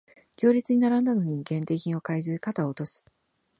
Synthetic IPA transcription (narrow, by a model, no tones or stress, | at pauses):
kʲo̞ːɾʲit͡sɨɲ̟inaɾãnd̪ano̞ɲ̟iɡẽ̞nt̪e̞ːçĩo̞kaizɨkat̪aoːt̪o̞sɨ̥